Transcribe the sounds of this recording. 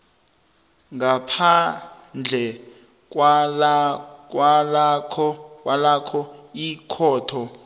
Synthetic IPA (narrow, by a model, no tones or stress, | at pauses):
ŋɡapʰa | nd͡ɮʱɛ | k̬ʼw | kʼwalkʰɔkwalakʰɔikʰɔːtʰɔ